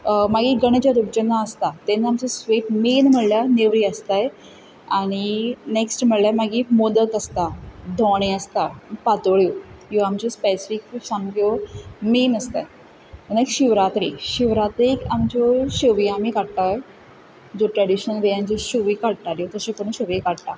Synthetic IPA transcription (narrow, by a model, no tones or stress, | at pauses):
maɡiːɡəɳd͡ʑaɾup̚d͡ʑənːaəst̪at̪enːamt͡sasʋeʈmiːnm̤əɭljaneʋɾiəst̪aj | aɽ̃ineksʈm̤əɭljamaɡimod̪əkəst̪ad̪ʱɔɽ̃ẽəst̪apat̪oɭjojoamt͡ɕɔspesifiksãŋɡɡominəst̪a̰j | ənkɕiʋɾat̪ɾiɕiʋɾat̪ɾiːkamt͡ɕɔɕoʋiamikaɽʈ̪a | d͡zoʈɾaɽiɕnəlʋejãɲt͡ɕiɕoʋiːkaɽʈaɾjot̪əɕẽkəɳ̃ũɕəʋekaɽt̪a